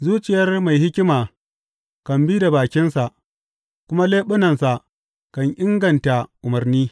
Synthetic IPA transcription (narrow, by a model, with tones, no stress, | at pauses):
zuː˦t͡ʃɪ˨jɐ˦rma˨jhɪ˦kʲɪ˦maː˨ | kɐ˨mbiː˦da˨baː˨kʲɪ˦nsa˨ʔ | kʷʊ˦ma˦leː˦ɓʊ˦nɐ˨nsa˨ʔ | kɐ˨ɲʔɪ˦ŋɡɐ˨nta˨ʔʊ˨mɐ˨rniː˦